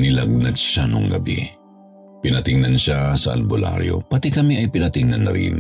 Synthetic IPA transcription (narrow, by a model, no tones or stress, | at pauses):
nɪlɐɡ̚nɐd̪ʃanoŋɡɐ̰bḭ | pɪnɐt̪ɪŋnɐnʃasɐʔɐ̰lbola̰ɾjo̞̰pɐt̪ikɐmiʔɐjpɪnɐt̪ɪŋnɐnːɐɾḭn